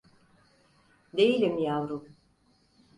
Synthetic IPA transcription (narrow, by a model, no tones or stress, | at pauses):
d̪e̞jilʲimjavɾu